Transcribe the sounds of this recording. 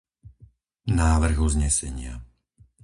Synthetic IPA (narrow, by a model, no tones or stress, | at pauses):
naːʋr̩ɣuzɲɛsɛɲɪa̰